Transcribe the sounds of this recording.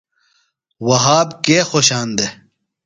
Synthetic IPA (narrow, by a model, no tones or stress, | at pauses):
wɐɦaːbkeːxoɕaːnd̪e